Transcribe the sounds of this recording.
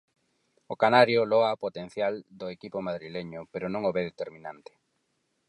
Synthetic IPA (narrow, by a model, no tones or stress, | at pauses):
ʊkanaɾjoloɣapot̪ẽn̟θjald̪ʊekipomaðɾileɲʊpeɾʊnõŋoβeðet̪eɾmĩnãnt̪ɪ̥